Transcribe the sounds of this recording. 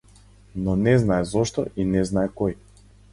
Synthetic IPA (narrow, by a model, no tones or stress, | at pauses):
nɔnɛznaɛzɔʃt̪ɔʔinɛznaɛkɔj